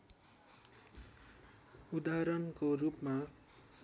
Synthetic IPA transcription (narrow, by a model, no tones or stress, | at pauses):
ud̪aɾʌnkorupma